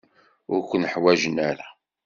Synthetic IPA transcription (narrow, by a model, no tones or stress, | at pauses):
ʊɾkʷənəħwæʒənæɾa